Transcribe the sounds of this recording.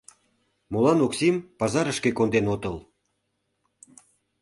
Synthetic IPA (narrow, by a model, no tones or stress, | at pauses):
molɑnoksimpɑzɑɾəʃkekond̪enot̪əl